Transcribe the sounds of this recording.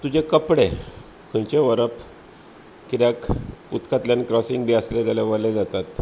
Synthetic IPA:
t̪ud͡ʑekəpɽe | kʰə̃jt͡ɕeʋəɾəp | kiɾjakṵt̪kat̪ljankɾɔsĩŋɡbiəsled͡zaljaʋəɾled͡zat̪at̪

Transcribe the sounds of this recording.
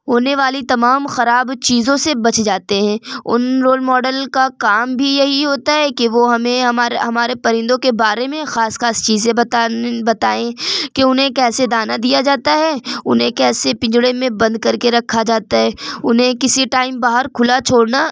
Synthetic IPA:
ɦoːneʋaːlit̪ɐmaːmxɐɾaːbt͡ʃiːzõsebɐt͡ʃʰd͡ʒaːt̪eɦɛ̃ːʊ̰nɾoːlmɔːɖəlkakaːmbʱijɐɦiɦoːt̪aɦɛkeʋoɦɐmẽɦɐmaːɾɦɐmaːɾepɐɾɪ̃nd̪õkebaːɾemẽxaːsxaːst͡ʃiːzẽbɐt̪abɐt̪aːẽkeʊnɦẽkɛːsed̪aːnad̪ijad͡ʒaːt̪aɦɛʊ̰nɦẽkɛːsepɪ̃ɲd͡ʒɽemẽbɐ̃nd̪̚kɐɾkeɾɐkʰːad͡ʒaːt̪aɦɛːʊnɦẽkɪsiʈaːɪmbaːɦəɾkʰʊlat͡ʃʰoːɽna

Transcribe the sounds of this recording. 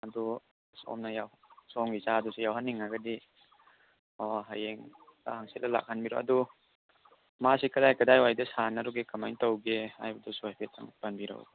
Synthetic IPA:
ɐdu | so̰mnɐjawsɔŋɡizadusijawɦanːiŋːaɡɐdi | ɔɦajeŋa̰haŋsilɐla̰k̚hanbiɾo̰ʔɐ̰du | masikɐdajkɐdajwajdɐsanɐɾuɡekɐmajntawɡeha̰jbɐdɔsuajpʰet̚a̰ŋbanbiɾo̰w̰

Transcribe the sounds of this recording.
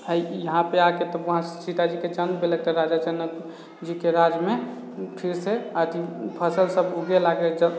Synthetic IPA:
əjjəɦãpeaket̪əbəɦãsit̪ad͡ʒiked͡ʒənbelək̚t̪ɔɾad͡ʒad͡ʒənək | d͡ʒikeɾad͡ʒme | pʰiɾseəd̪ʱipʰəsəlsəbuɡelaɡed͡ʒə

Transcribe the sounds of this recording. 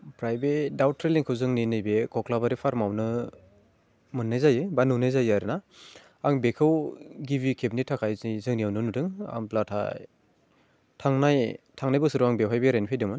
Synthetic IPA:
pɾajbedawtʰɾeliŋkʰɯwzɯŋninɯjbekʰɔklabaɾipʰaɾmawnɯ | mɯnːɯjzajɯbanunɯjzajaɾɯna | aŋbekʰɯwɡiβikʰep̚nitʰakʰajzijzɯŋnijawnɯnudɯŋa̰ŋplatʰa̰ | tʰaŋnajtʰaŋnajbɯsɯɾɯaŋbeɦʰajbeɾenpʰejdɯmɯn

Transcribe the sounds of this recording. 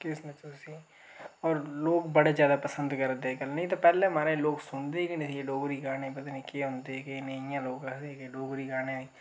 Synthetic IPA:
kɪsnət̪ʊsiː | ɔːɾloːkbəɽeːzjaːd̪aːpəsənd̪kəɾd̪eːkəlnəĩt̪aːpɛːlẽːmaːɾẽːloːksʊɳd̪eːɛkɪnesieːɖoːɡɾiːɡaːneːpət̪aːnĩːkeːɦʊ̃nd̪eːkeneɪjãːloːɡəkʰd̪eːɦɛːkɪɖoːɡɾiːɡaːneːoːiː

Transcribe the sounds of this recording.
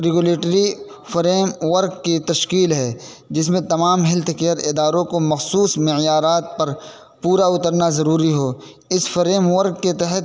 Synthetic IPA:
ɾɪɡʊleːʈɾi | fɾeːmʋɐɾkːit̪ɐʃkiːlɦɛː | d͡ʒɪs̬mẽt̪ɐmaːmɦɪlt̪kejəɾɪd̪aːɾõkomɐxsuːsmɪʕjaːɾaːt̪̚pɐɾ | puːɾaʊt̪əɾnazɐɾuːɾiɦoː | ɪsfɾeːmʋɐɾɡkːet̪ɛɦət̪

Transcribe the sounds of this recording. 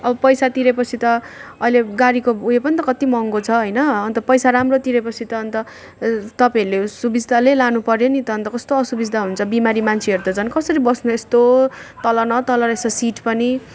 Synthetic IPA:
ʌbʌpʌjsat̪iɾepʌt͡sʰit̪ʌːileɡaɾikoujepʌnit̪ʌkʌt̪imʌŋɡot͡sʰʌɦʌjnʌʌnt̪ʌpʌjsaɾamrot̪iɾepʌt͡sʰit̪ʌːnt̪ʌ | t̪ʌpaɦʌɾulesubid͡zʱd̪ʱalelanupʌɾjonit̪ʌːnt̪ʌkʌst̪oʌsubid͡zd̪ʱaɦunt͡sʰʌbimaɾimant͡sʰeʌɾut̪ʌt͡sʰʌnkʌsʌɾibʌsnuest̪ot̪ʌlʌnʌt̪ʌlʌnʌesʌsiʈpʌni

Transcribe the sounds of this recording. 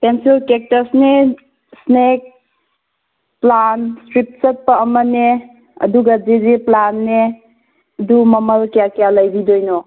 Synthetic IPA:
pensolkek̚təsne | snek̚ | planstɾip̚sɐt̚pɐːməne | ɐ̰duɡad͡ʒezeplanːe | dumɐmɐlkjakijalajbidojnɔ

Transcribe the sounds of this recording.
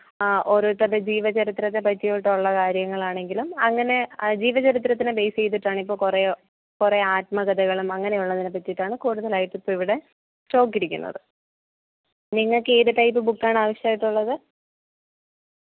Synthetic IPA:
ʔo̞ɾut̪ːɐðed͡ʑiːʋɐt͡ɕɐɾit̪ɾɐt̪ːepɐtːijoːjiʈːuɭːɐkaːɾjɐŋːɐɭaːɳe̞ŋɡilumɐŋːɐne̞d͡ʑiːʋɐt͡ɕɐɾit̪̬rɐt̪̬ːinɨbe̞jse̞jt̪ːiʈːaːɳipːo̞ːkure | kureaːt̚mɐɡɐd̪ʱɐɣɐɭumɐŋːɐnejuɭːɐðinɨpɐtːiiʈːaːɳɨkuːɽuðɐlaːjiʈːipːoːiʋiɽe̞ | t͡ɕo̞ːkːiɾikʲːṵnːɐ̰ðɨ | niŋːɐɭkeːɾuʈɐjp̬ːɨbukːaːɳɨaːʋɐɕjɐaːjiʈːuɭːɐðɨ

